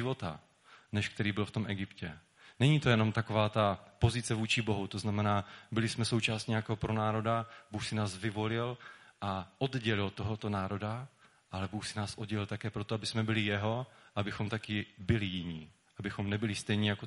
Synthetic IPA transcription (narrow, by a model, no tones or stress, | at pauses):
ɪvo̞t̪a̰ | nɛʃkt̪ɛɾiːbɪlft̪o̞mʔɛɡɪpcɛ | nɛɲiːt̪o̞jɛno̞mt̪ako̞vaːt̪apo̞zɪt͡sɛvuːt͡ʃɪbo̞ɦut̪oznamɛnaːbɪlɪsmɛso̞wt͡ʃaːsɲɛjakoɦopɾonaːɾo̞dabuːxsɪnaːsvɪvo̞lɪlʔaʔo̞dɟɛlɪlt̪oɦot̪o̞naːɾo̞da | ʔalɛbuːxsɪnaːsʔod̪̚ɟɛlɪlt̪akɛːpɾot̪oabɪsmɛbɪlɪjɛɦo̞ʔabɪxo̞mt̪akɪbɪlɪjɪɲiː | ʔabɪxo̞mnɛbɪlɪst̪ɛjɲiːjako